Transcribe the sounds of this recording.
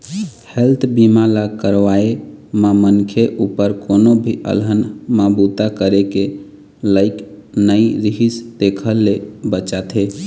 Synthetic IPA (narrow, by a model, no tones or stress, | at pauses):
helt̪ʰbimalakəɾʋaemamənkʰeʔupəɾkonobʱiʔə̰lɦənmabut̪akəɾeke | ləɪk | nəiɾiɦisd̪ekʰəlːebət͡ʃat̪ʰɦe